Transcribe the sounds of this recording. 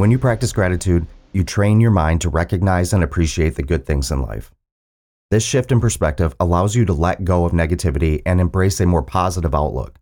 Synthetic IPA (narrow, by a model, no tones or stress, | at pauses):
wə̃njɨpʰɹ̥æk̚tɨsɡ̥ɹæɾɨtʰʉdjɨtʰɹ̥ẽɪ̃njə˞mãɪ̃ntʰəɹɛkɨɡ̚naɪzɨ̃nɨpʰɹ̥iʃieɪt̪̚ðɨɡʊd̪̚θɪ̃ŋzə̃nla̰ɪf | ðɪsʃɪftɨ̃npə˞spɛk̚tɨvəlaʊzjɨɾəlɛt̚ɡ̥oʊʌvnɛɡɨtʰɪvɨɾiʔɨ̃nɨ̃mbɹeɪsɨmɔɹpʰɑzəɾəva̰ʊʔlʊ̰k